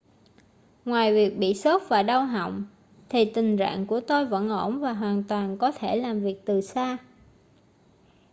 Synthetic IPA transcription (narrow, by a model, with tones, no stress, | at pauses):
ŋwaː˨˩jvi˨˩ək̚ɓḭ˧˨so˦˥t̚vaː˨˩ɗa˧wɦɔ̰˧˨wŋ͡m | t̪ʰi˨˩t̪ï˨˩ŋ̟t͡ɕa̰ː˧˨ŋku˧˩ət̪o˧jvə̰˧˨nʔo˧˩nvaː˨˩ɦwaː˨˩nt̪waː˨˩nkɔ˨˦t̪ʰe˧˩laː˨˩mvi˨˩ək̚t̪ɨ˨˩saː˧